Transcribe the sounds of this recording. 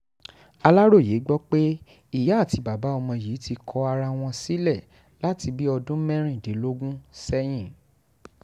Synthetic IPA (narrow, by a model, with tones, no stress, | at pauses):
a˧la˦ɾo˦˨je˨˦ɡ͡bɔ˦k͡pe˦ | i˦˨ja˨˦˨ti˨˧ba˨ba˨˦ɔ˧mɔ̃˧ji˨˦ti˧kʰɔ˧˦a˧ɾa˧w̃ɔ̃˧si˦lɛ˦˨ | la˨˦ti˧bi˦ɔ˧dũ˦mɛ̃˦ɾ̃ĩ˦˨de˨˦lo˦ɡũ˦sɛ˦j̃ĩ˦˨